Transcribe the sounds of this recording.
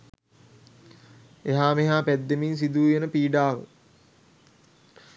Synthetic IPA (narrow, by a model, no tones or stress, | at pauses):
eɦaːmeɦaːpæd̪ːemins̬id̪uːjenəpiːɖaːʋə̰